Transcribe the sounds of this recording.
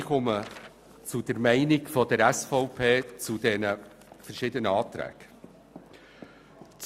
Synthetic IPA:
χɔmə | t͡sʊd̥əɾmæɪnɪkfɔd̥əɾæsfɔʊpʰeːt͡sud̥ɛnə | fəɾʃɪd̪ənəɑːt̪ɾæ̰ːɡ̥ | t͡s

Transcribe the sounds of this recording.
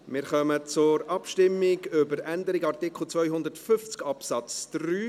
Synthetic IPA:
mɪːɾχœmət͡sʊɾɑpʃtɪmːɪɡʏbəɾænd̪əɾɪɡɑrtɪkχl̩ˠt͡svœjɦʊndəɾtfʏft͡skɑpsɑt͡sd̥ɾyː

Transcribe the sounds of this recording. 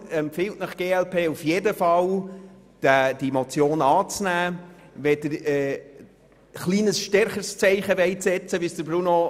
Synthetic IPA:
ɛmpfɪltnɑχɡ̥eːɛlpʰeːufjeːdəfɑl | d̥d̥imot͡sjoːnɑːt͡snæːvɛdəɾɛ | χliːnəsʃtɛɾχəst͡sɛɪχəʋɛɪtsɛt͡səʋisd̥əɾbɾuno

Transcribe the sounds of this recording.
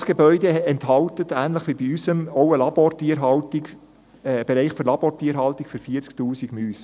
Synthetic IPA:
sɡ̥ebœʏd̪eɛnthɑltətæːnləχʋibiysəmowəlɑb̥oɾtiəɾɦɑltiɡ | b̥eɾɛɪχfyɾlɑb̥oːɾtiəɾɦɑltikfyɾfiəɾt͡sk̚tuːsiɡmyːs

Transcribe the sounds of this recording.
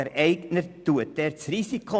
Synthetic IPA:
ɛɾʔɛɪknəɾtuətɛːɾt͡srisikχo

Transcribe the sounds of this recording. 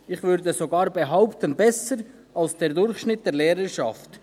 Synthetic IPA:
ɪχvʏɾdəzoɡaːɾbeɦaʊptənbɛsəɾ | alsd̥ɛːɾdʊɾχʃnɪt̚d̥ɛːɾleːɾəʃɑft

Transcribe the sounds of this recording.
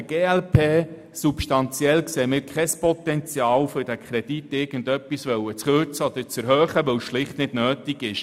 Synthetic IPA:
ɡ̥eːɛlpʰeː | supʃtɑnt͡sjɛlkseːmɪːɾkʰχɛspɔt̪ɛnt͡sjɑːwfʏɾd̥ækʰɾɛd̥itɪːɾɡ̥əndœpːisʋœwət͡sχøɾt͡səɔd̪əɾt͡sɛɾhœːχəʋœwsʃlɪχtnɪd̥nøːtiɡ̥ɪʃ

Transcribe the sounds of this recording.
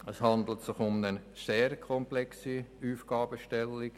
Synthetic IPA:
əshɑnd̪l̩ət̪sɪχʊmnəseːɾkʰɔmplɛksiuːfɡ̥ɑːbəʃtɛlːik

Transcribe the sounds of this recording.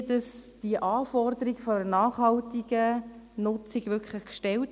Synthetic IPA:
dɑsd̥iəʔɑːfɔrdəɾiɡfɔənɑːχhɑltiɡə | nʊt͡sɪɡʋʏkʰχləχkʃtɛlt

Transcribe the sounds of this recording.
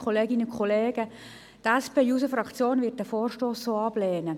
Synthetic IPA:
kʰχoleːɡɪnəkχɔleːɡ̥ə | tɛspeːjuːsəfɾɑkt͡sjoːnvɪːɐt̚d̥ɛfoːrʃtoːsːoːɑb̥leːnə

